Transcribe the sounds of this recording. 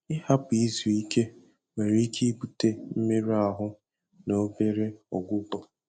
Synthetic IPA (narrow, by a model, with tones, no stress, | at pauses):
ɪ˦ha˦pi˨˦zu˨i˦ke˦ | me˨ɾi˦kʰi˦bu˨te˦m̩˦me˦ɾa˨ɦʊ˦ | no˦be˦ɾe˦ɔ˨ɡʷʊ˦bɔ˦